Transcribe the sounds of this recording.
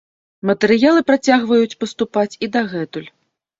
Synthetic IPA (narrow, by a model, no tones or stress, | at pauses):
mɐt̪ɛɾɨjalˠɨpɾat͡sʲaɣvɐjut͡sʲpɐst̪upat͡sʲid̪aɣɛt̪ulʲ